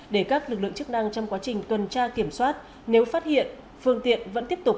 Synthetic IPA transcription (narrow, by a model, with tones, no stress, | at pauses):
ɗe˧˩kaː˦˥k̚lɨ˨˩k̚lɨ̰˧˨ŋt͡ɕɨ˦˥k̚na˧ŋt͡ɕɔ˧wŋ͡mkwaː˨˦t͡ɕï˨˩ŋ̟kə˨˩nt͡ɕaː˧ki˧˩əmswaː˦˥t̚ | ne˨˦wfaː˦˥t̚hḭ˧˨ən | fɨ˧əŋt̪ḭ˧˨ənvə̰˧˥nt̪i˦˥əp̚t̪k͡p̚